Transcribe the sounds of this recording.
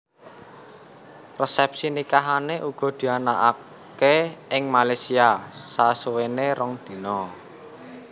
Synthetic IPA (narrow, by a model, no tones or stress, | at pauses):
rəsɛp̚sinikaɦaneʔuɡ̥ɔ̤d̪̥i̤anaʔa | keɪŋmalajsiasasuweneɾɔŋd̪̥i̤nɔ